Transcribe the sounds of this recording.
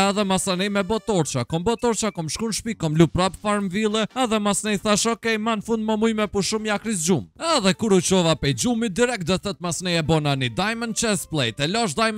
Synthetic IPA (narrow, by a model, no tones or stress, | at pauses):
aðɛmasanɛjmɛbɔt̪ɔɾt͡ʃakɔmbɔt̪ɔɾt͡ʃakɔmʃkunʃpikɔmlupɾapfaɾmvilˠɛaðɛmasnɛjθaʃɔkɛjmanfũnd̪̚mamujmɛpuʃumjakɾis̬d͡ʒumɛðɛkuɾut͡ʃɔvapɛjd͡ʒumid̪iɾɛk̪̚d̪ɔθɛt̪̚masnɛjɛbɔnanid̪ajmənt͡ʃɛsplˠɛjt̪ɛlɔʃ̬d̪ajm